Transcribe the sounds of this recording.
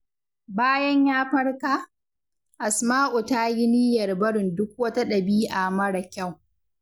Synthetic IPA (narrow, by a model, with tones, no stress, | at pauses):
baː˦jɐ˦ɲjaː˦ɸɐ˦rka˦ʔ | ʔa˨smaː˦ʔu˨ta˦ji˦niː˦jɐ˨rbɐ˦ɽɪ˨ndʊ˦k̚wɐ˦ta˦ɗɐ˨biː˦ʔa˨mɐ˦ɽa˨kʲa˦˨w